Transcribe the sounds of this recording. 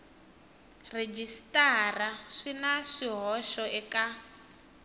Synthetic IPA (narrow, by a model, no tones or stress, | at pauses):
red͡ʒistaraʂinaʂiɦɔʃɔɛka